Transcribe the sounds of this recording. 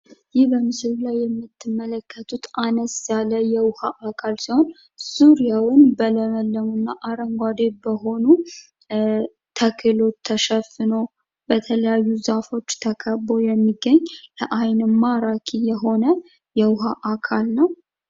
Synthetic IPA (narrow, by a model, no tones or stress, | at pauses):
jɪhbəmɨsɨllajːɛmːɨt̪ʰːɨmːələkːət̪ʰut̪anəsjaləjɛwhaʔakʰalsiho̞n | z̥uɾijawɪnbələməlːəmunːaʔaɾəŋɡʷad̪ebəɦo̞nu | t̪ʰəkʰɨlo̞t̪ʰːəʃəfːɨno̞ | bət̪ʰələjajːuzafo̞t͡ʃːt̪ʰəkʰəbo̞jɛmːiɡːəɲːlɛʔajnmːaɾakʰijɛɦo̞nə | jɛwɦaʔakʰalnəw